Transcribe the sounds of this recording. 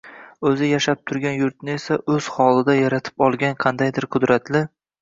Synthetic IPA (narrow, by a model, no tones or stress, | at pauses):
ɵzɪjaʃap̚t̪ʰʊɾɡʲanjʊɾt̪̚nɪesaʔɵz̥hɒlˠɪd̪ajaɾat̪ʰɪ̥pɒlˠɡʲanqʰɑnd̪ajd̪ɪɾqʰʊd̪ɾat̪ʰlɪ